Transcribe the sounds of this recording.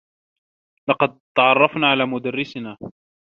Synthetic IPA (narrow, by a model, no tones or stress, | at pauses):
lɑqɑd̪̚t̪ɑʕɑrˤːɑfnaːʕalaːmʊd̪arːɪsnaː